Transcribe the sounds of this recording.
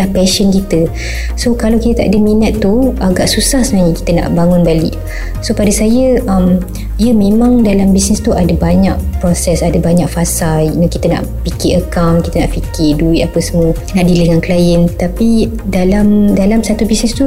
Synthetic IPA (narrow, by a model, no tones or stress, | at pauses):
lahpɛʃənkit̪ə | sokalawkit̪ət̪a̰ʔadəminat̪ːuaɡaʔsusahsənaɲəki̥t̪əna̰ʔbaŋʊnbalɪ̰ʔ | sopadasajəam | iəmẽmãŋdalambisnɛst̪uʔadabaɲaʔ̚pɾɔsɛsadabaɲak̚fasajnəkit̪əna̰ʔpikɪəkawnkit̪əna̰ʔfikɪduit̪apəsəmə | naʔdiləŋanklajənt̪api | dalamdalamsat̪ubisnɛst̪u